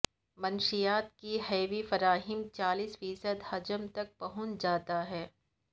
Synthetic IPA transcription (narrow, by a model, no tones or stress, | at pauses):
mɐnʃijaːt̪̚kiɦɛːʋifɐɾaːɦɪmt͡ʃaːliːsfiːsəd̪hɐd͡ʒəmt̪ɐk̚pɐɦʊ̃t͡ʃd͡ʒaːt̪aɦɛː